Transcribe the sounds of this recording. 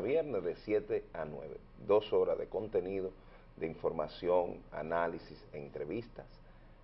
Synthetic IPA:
βjeɾnesðesje̞t̪eanwḛβḛ | ðo̞so̞ɾazðeko̞nt̪e̞niðo̞ | d̪eiɱfo̞ɾmasjo̞ŋa̰nalisiseːnt̪ɾe̞βist̪as

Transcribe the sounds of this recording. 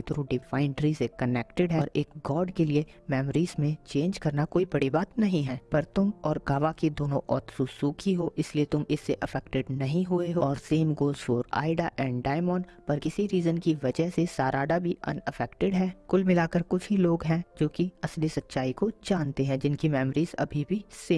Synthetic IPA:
et̪ʊɾũɖɪfaːɪ̃ɳɖɾisekɐnɛːkʈɪɖɦɛːɾeːkɡɔːɾɖkelie | mɛːmɾiːzmẽt͡ʃẽːnd͡ʒkɐɾnakoːibɐɽibaːt̪nɐɦĩɦɛ̃ːpɐɾt̪ʊmɔːɾɡaːʋakid̪oːnõ̰ʔɔːt̪susuːkʰiɦoːʔɪsliet̪ʊmɪsːeʔɐfʰɛːkʈɪɖnɐɦĩɦueɦoɔːɾseːmɡoːzfɔːɾa̰ːɪɖaʔɛ̃ːɳɖɖaːɪmɔːnpɐɾkɪsiɾiːzənkiʋɐd͡ʒəɦsesaːɾaːɖabʱiʔɐ̰nɪfɛːkʈɪɖɦɛ̃ːkʊlmɪlaːkəɾkʊt͡ʃʰɦiloːɡɦɛ̃d͡ʒoːkiɐslisɐtːʃaːikod͡ʒaːnt̪eɦɛ̃ːd͡ʒɪnkimɛːmɾiːzɐ̰bʱibʱiseː

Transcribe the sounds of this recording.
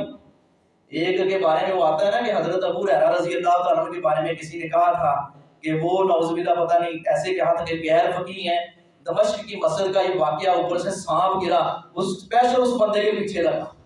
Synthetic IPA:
eːkkebaːɾemẽʋoaːt̪aɦɛːnaːkeɦɐzɾət̪ɐbuːɾɛːɾãːɾəziːət̪aːk̪ənəmkebaːɾemẽkɪsinẽkɐɦat̪ʰaː | keʋoːlɔːzmĩd̪apɐt̪aːnəɦĩːɛːsekeɦãːt̪ɐkeɡɛɦɾfʰəkiːɦɛ̃ː | d̪ɐməʃkːimɐsəd̪kaːiʋaːkɪjaʊpəɾsesaːpʰɡɪlaːʊspɛːsaʊsbə̃nd̪ʱkepiːt͡ʃʰeɾɐɡaː

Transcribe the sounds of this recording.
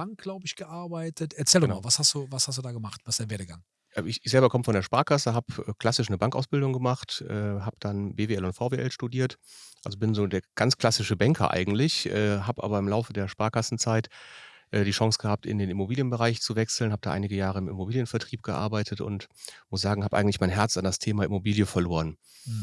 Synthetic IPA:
b̥aŋk̚ɡ̥laʊbəɪçɡ̥əʔaɐbaɪtətɛɐt͡sɛːldɔnmavashastd̥uːvashastd̥uːdaːɡəmaχtvasɪsd̥eɐveːɐdəɡaŋ | ʔɛɪçɪçzɛlbɐkʰɔməfɔndeːɐʃpaːkʰasəɦaːbʔɛːkl̥asɪʃnəbaŋka̰ʊsb̥ɪldʊŋɡəmaχtʔɛːɦaːbəd̥anbeːveɛlʊntfaʊveʔɛ̰lʃtudiːɐtʔalzobɪnzoːdeːɐɡ̥ant͡skl̥asɪʃəbɛŋkʰɐ̰ʔa̰ɪɡŋ̩tlɪçʔɛːɦaːbʔa̰ːbɐɪmlaʊfədeːɐʃpaːkasn̩t͡saɪt | ʔɛːdiːʃɑŋsɡ̥əhaːp̚tɪ̰ndeːnɪmobiːljənbəʁaɪçt͡suvɛksl̩nhaːb̚əd̥aːʔa̰ɪnɪɡəjaːʁ̞əɪmɪ̰mobiːljənfɛɐtʁ̥iːp̚ɡ̥əʔa̰ɐbaɪtʰətʊ̰ntmʊsz̥aːɡŋ̩haːpʔa̰ɪŋ̩tlɪçmaɪnɦɛɐt͡sandastʰeːmaʔɪmobiːljəfɛɐloːʁən

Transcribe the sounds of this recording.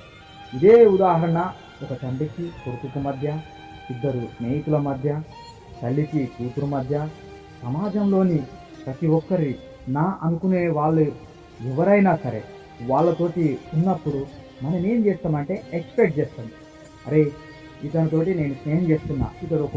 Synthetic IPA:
id̪eːud̪aːɦɐɾɐɳɐ | ɔkɐt͡ʃɐɳɖikipoɾut̪ukumɐd̪ʱjɐ | id̪ːɐɾusneːjik̪ulɐmɐd̪ʱjɐ | t̪ɐɭːikikuːt̪uɾumɐd̪ʱjɐ | sɐmaːd͡ʒɐmlo̞ːni | pɾɐt̪iʋɔkːɐɾi | naːʔɐnukune̞ːʋaːɭːu | ɛʋɐɾɐjnaːsɐɾe̞̰ː | ʋaːɭːɐt̪o̞ːʈiunːɐpːuɽu | mɐnɐme̞ːmt͡ʃeːst̪aːmɐɳʈe̞ːekspek̚ʈ̚d͡ʒeːst̪aːnd̪i | ɐ̰ɾe̞ː | id̪ɐnɐt̪o̞ːʈ̬ine̞ːnusneːjɐmt͡ʃe̞ːst̪unːa̰ːid̪ːɐɾuɔk

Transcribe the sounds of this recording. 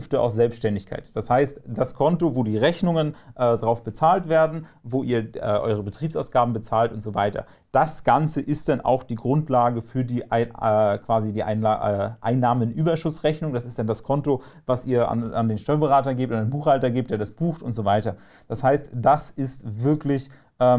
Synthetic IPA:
ftəa̰ʊfsz̥ɛlpsʃtɛndɪçkʰa̰ɪtd̥ashaɪstd̥askʰɔntovoːdiːʁɛçnʊŋənʔɛːdʁaʊfb̥ət͡saːltv̥eːɐdn̩ | voːʔiːɐʔɛ̰ːʔɔ̰ʏʁ̞əbətʁ̥iːpsaʊsɡ̥aːbm̩bət͡saːltʊntz̥ovaɪtɐ̰ | d̥asɡ̥ant͡səʔɪst̚d̥anʔa̰ʊxd̥iːɡʁʊntlaːɡəfyːɐdiːʔkv̥aːzidiːʔa̰ɪnːʔa̰ɪnːaːmənʔyːbɐʃʊsʁɛçnʊŋd̥asɪstd̥andaskʰɔnto | vasʔiːɐa̰na̰ndeːnʃtɔʏɐbəʁaːtɐɡeːp̚tʊndenbuːxhaltɐɡeːp̚td̥eːɐdasb̥uːxtʊntz̥ovaɪtɐ | d̥ashaɪstd̥asɪstvɪɐklɪç | ʔɛː

